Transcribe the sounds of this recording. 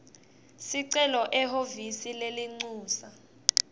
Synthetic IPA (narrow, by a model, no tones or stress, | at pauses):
siǀɛlɔʔɛɦovisileliŋ͡ǀuːsa